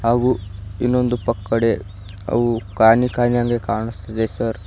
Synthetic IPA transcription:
ɦaːɡuinːo̞nd̪upɐkːɐɽe | ɐ̰ʋukaːnikaːnjaːŋɡekaːɳust̪ɐd̪esɐɾ

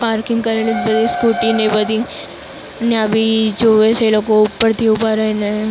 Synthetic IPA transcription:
paːɾkɪŋɡkɐɾelet̪bɐd̪iskuːʈinẽbəd̪i | nabid͡ʒoːʋeseloːkoʊpːəɾt̪iʊpəɾɛne

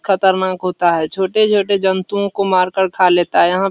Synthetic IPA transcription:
kʰət̪əɾnaːkɦoːt̪aɦɛt͡ʃʰoːʈet͡ʃʰoːʈed͡ʒənt̪uõkomaːɾkəɾkʰaleːt̪aɦɛjəɦã

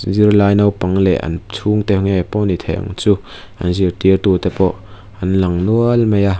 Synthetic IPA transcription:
zirlaːjnɐwpɐŋlɛ̰ʔɐ̰nt͡sʰuŋt̪ɛpŋɛpɔnit̪ʰɛ̰ʔŋt͡suː | ʔɐ̰nzirt̪irt̪ut̪ɛpɔʔ | ʔɐnlɐŋnuəlmeja

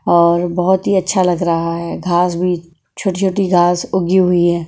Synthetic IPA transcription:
ɔːɾbɐɦʊt̪ɦiɐtːʃʰalɐɡɾɐɦaɦɛɡʱaːsbʱi | t͡ʃʰoːʈit͡ʃʰoːʈiɡʱaːsʊɡiɦʊiɦɛː

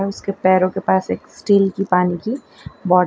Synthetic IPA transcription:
ɛʊskepɛːɾõkepaːseːksʈiːlkipaːniki | bɔːɖ

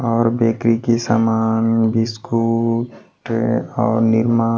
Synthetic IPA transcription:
ɔːɾbeːkɾikesa̰ːmaːnbɪskuːʈɔːɾnɪɾmaː

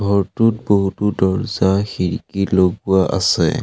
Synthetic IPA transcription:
ɡʱɔɹtut̚boɦutudɔɹzaxiɹkiloɡuwaʔa̰sɛ̰

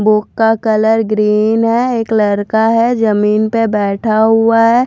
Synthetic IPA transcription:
bʊkːakələɾɡɾiːnɦɛeːkləɾkaɦɛd͡ʒəmiːnpebɛːʈʰaɦuaɦɛː

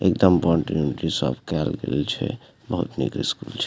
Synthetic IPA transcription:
ek̚d̪əmbɔɳʈiunʈɾisəbkɛlɡelt͡ʃʰɛ | bəɦut̪nikɾiskult͡ʃʰɛ

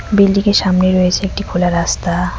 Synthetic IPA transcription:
bilːikeʃamneɾɔjet͡ɕʰeek̚ʈikʰulaɾːast̪a

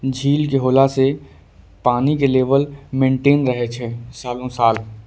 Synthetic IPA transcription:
d͡ʒʱiːlkeɦoːlase | paːnikeleːʋəlmẽːɳʈeːnɾəɦet͡ʃʰesaːlõsaːl

